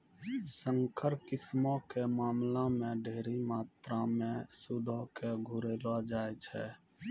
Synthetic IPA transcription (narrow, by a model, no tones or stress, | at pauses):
sə̃ŋkʰəɾkɪsmõkemaːmlamẽɖʱeːɾimaːt̪ɾamẽsʊd̪ʱəkeɡʱʊɾeːlad͡ʒaːet͡ʃʰɛː